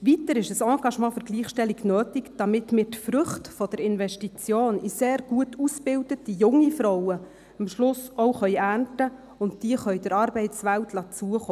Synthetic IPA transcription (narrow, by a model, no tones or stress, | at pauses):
ʋitəɾɪʃəsɑ̃ːɡ̥ɑʃmɑ̃ːfʏɾɡ̥liːχʃtɛliɡnøːtɪkd̥ɑmɪtmiːtfrʏχtfɔd̥əɾɪnʋɛʃtit͡sjoːniseːɾɡ̥uətusb̥ɪldətijʊŋifɾɔwə | əmʃlʊsoʊχœʏæːntə | ʊntd̥iəχœʏd̥əɾɑːɾbɛɪtsʋæltʰlɑːt͡suəχoː